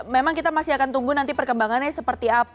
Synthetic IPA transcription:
memaŋkit̪amasiakant̪uŋɡunant̪ipərkəmbaŋanasəpərt̪iap

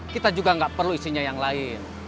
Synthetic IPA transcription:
kit̪ad͡ʒuɡaŋɡaʔpərluisiɲajaŋlaɪn

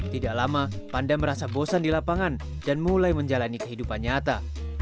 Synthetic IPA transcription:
t̪idaʔlamapandaməɾasabosandilapaŋan | danmulajməɲd͡ʒalanikəɦidupanɲat̪a

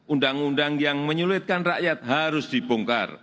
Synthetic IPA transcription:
ʔundaŋundaŋjaŋməɲuluwɪt̪̚kanraʔjat̪̚haɾʊsd̪̥ibuŋka̰r

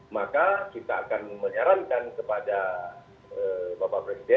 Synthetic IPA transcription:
makakit̪aːkanməɲaɾankankəpada | əbabapɾesidɛ

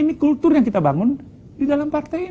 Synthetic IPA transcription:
inikult̪ʊrjaŋkit̪abaŋʊn | didalampart̪aj

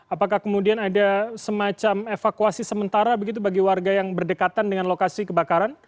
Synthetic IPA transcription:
apakahkəmudianadasəmat͡ʃamefakuasisəmənt̪aɾabəɡit̪̬ubaɡiwarɡajaŋbərdəkat̪andəŋanlokasikəbakaɾan

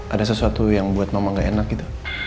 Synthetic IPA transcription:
ʔadasəsuat̪ujaŋbuat̪̚mamaŋɡaenakːit̪u̥

